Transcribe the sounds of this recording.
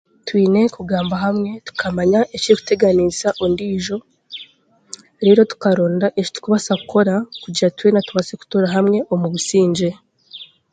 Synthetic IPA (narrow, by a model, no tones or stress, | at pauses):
twiːne̞kuɡaːmbaɦamŋe̞tu̥kʰamaɲaʔeciiku̥te̞ɡanizaʔondiːʒo̞ | ɾe̞ːɾo̞tu̥kaɾo̞ːndaʔeʃtu̥kuβasakukʰo̞ɾakuɟiɾatwinatuβaseku̥toɾaɦamŋe̞ʔomuβusiːɲd͡ʒe̞